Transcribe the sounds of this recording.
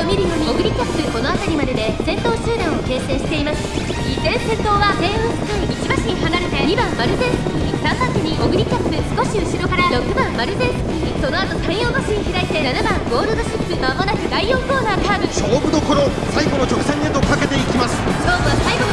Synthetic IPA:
omʲiɾɯ̟jo̞ːɲ̟ioɡɯ̟ɾʲikʲːappɯ̟ko̞no̞at̪aɾʲimad̪e̞d̪e̞zẽ̞nt̪o̞ːɕɨːd̪ãɰ̃o̞ke̞ːse̞ːɕi̥t̪e̞imasɨ̥ | izẽ̞ɰ̃sẽ̞nt̪o̞ːβaɡ̪ẽ̞ɰ̃õsɨ̥k̪aiit͡ɕibaɕiɲihanaɾɯt̪e̞ibãmmaɾɯ̟zẽ̞ɰskɯ̟isãmpãnt͡ɕ̪iɲ̟iʔoɡɯ̟ɾʲikʲːapɯ̟sɨ̥ko̞ɕiɯ̟ɕiɾo̞kaɾaɾo̞kːɯ̟bãmːaɾɯ̟zeɰ̃sɨ̥kiɲiso̞no̞at̪o̞sãɰ̃jo̞ːmaɕiɲiçiɾait̪e̞nanabãŋɡo̞ːɾɯd̪o̞ɕipːɯmamonakɯ̟d̪aijoːko̞ːnakaːbɯɕoːbɯ̟d̪oko̞ɾo | saiɡo̞no̞t͡ɕo̞kɯ̥sãɲiet̪okake̞t̪e̞ikʲimasɨ̥koːmɯβasaiɡo̞n

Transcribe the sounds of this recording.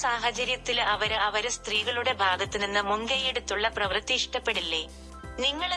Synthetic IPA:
saːɦɐt͡ɕɐɾjɐt̪ːilɐʋɐɾɐʋɐɾɨst̪riːɣɐɭuɽe̞bʱaːɡɐt̪ːinenːɨmuŋɡɐjeɽut̪ːuɭːɐprɐʋrt̪ːiʂʈɐpːe̞ɽilːe | niŋːɐɭ

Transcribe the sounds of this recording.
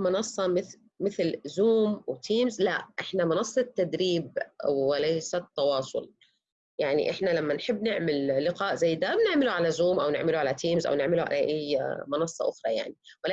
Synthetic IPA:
mʊnɑsˤːɑmɪθ | mɪθlzuːmwt̪ʰiːmzlaʔʔɪħnamɑnɑsˤːɑt̪ːad̪ɾiːb̚wɪlajsat̪ːɑwɑːsˤʊ̰l | jaʕnḭʔɪħnalamːanħɪbːnɪʕmɪlːɪqaːʔzajːd̪abnɪʕmɪluʕalazuːmʔawnɪ̰ʕmɪluʕalat̪ʰiːmzʔa̰wnɪʕmɪluʕa̰laʔajmɑnɑsˤːɑ̰ʔʊxɾˤɑja̰ʕni | wɪla

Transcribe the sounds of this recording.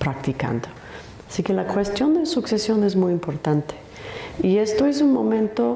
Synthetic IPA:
pɾakt̪ika̰nd̪o | asikelakwest̪jo̞nd̪esuksesjo̞ne̞zmujimpo̞ɾt̪ant̪e̥ | ie̞st̪o̞es̬unmo̞mẽnt̪o̞

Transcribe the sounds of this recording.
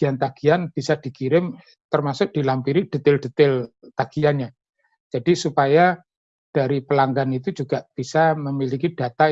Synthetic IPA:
ant̪aɡ̥ianb̥isad̥i̤kiɾɪm | t̪ərmasʊk̚d̥i̤lampiɾid̥ə̤t̪ɪld̥ət̪ɪlt̪aɡ̥ianɲa | d͡ʒ̥adisupaja | d̥aɾipəlaŋɡanit̪ud͡ʒuɡ̥aʔb̥isaməmilikid̥a̤t̪a

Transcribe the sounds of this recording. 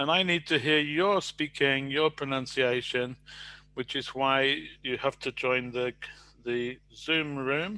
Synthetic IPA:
ə̃naɪnid̚tʰɨɦiɹjə˞spikʰɪ̃ŋjə˞pʰɹ̥ɨnʌ̃nsieɪʃɨ̃nwɨt͡ʃɨzwaɪjɨhæftʰɨd͡ʒɔ̃ɪ̃nðɨ | ðɨzʉ̃mɹʉ̃m

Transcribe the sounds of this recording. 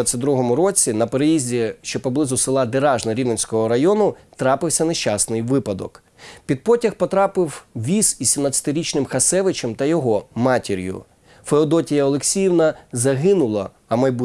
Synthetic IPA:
at͡sʲsʲɐt̪̚ʲd̪ɾuɦɔmʊɾɔt͡sʲinɐpeɾejizʲdʲiʃt͡ʃɔpɔblˠɪzʊsɪlˠɑd̪eɾɑʒnɐɾʲiʋnɐnʲsʲkɔɦɔɾɐjɔnʊt̪ɾɑpɪwsʲɐneʃt͡ʃasnɪjʋɪpɐd̪ɔ̰k | pʲid̪̚pɔtʲɐxpɔt̪ɾɑpɪwʋʲisʋʲisʲimnat͡sʲːɐ̥t̪ɪɾʲit͡ʃnɪmxɐsɛʋɪt͡ʃɛmt̪ɐjɔɦɔmɑtʲiɾʲjʊ̰ | feɔd̪ɔtʲijɐɔlˠeksʲijiwnɐzɐɦɪnʊlˠɐ̰ | ɐmɐjbu

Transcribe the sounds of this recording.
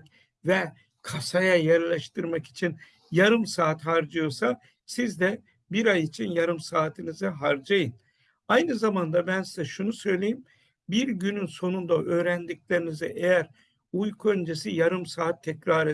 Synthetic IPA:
vɛ | kʰasajajæɾlʲaʃt̪ʰɯɾmaki̥t͡ʃʰin | jaɾɯmsaːt̪haɾd͡ʒɯjo̞sa | sizd̪ɛ | biɾajit͡ʃʰinjaɾɯmsaːt̪ʰinizɛɦaɾd͡ʒajɯn | ajnɯzamand̪abænsizɛʃunusø̞jlʲe̞jim | biɾɟynynso̞nund̪aʔø̞ːɾænd̪iclʲe̞ɾinizɛʔejæɾ | ujkʰuø̞nd͡ʒe̞sijaɾɯmsaːt̪ʰːɛcɾaːɾe

